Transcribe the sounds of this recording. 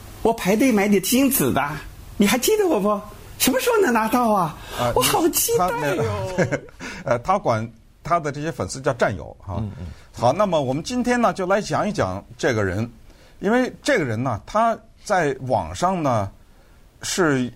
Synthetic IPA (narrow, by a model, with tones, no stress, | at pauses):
wɔ˨˩pʰa˧˥ɪt̪̬we˥˩ɪma˧˥ɪt̪i˨˩t͡ɕi˥nt͡sɹ̩˨˩d̪ | ni˨˩xa˧˥ɪt͡ɕi˥˩d̪ə˨˩wɔ˨˩pɔ˥ | ʂə˧˥mə˧ʂ̩˧˥o˧˩nə˧˥ŋna˧˥t̪ɑ˥˩ʊɐ˩ə˧wɔ˧˥xɑ˨˩ʊt͡ɕi˥d̪t̪e˥˩ə˧˩t̪ʰa˥kwa˨˩n | t̪ʰa˥d̪ə˨ʈ͡ʂɤ˥˩ɕjɛ˥fə˨˩nsɹ̩˥˧t͡ɕjɑ˥˧ʊʈ͡ʂa˥˩njo̰˨˩ʊa̰˥˧ | xɑ˧˩ʊna˥˩mə˩wɔ˨˩mə˦nt͡ɕi˥nt̪ʰjɛ˥nnə˨t͡ɕjo˥˩ʊla˧˥ɪt͡ɕjɑ˨˧˥ŋi˥˩t͡ɕjɑ̰˨˩ŋʈ͡ʂɤ˥˩ɡə˩ɻə̰˧˥n | i˥nwe˥˧ɪʈ͡ʂɤ˥˩ɡə˩ɻə˧˥nnə˨t̪ʰa˥ | t͡sa˥˩ɪwɑ̰˨˩ŋʂɑ˥˧ŋnə˩ | ʂɻ̩˥˩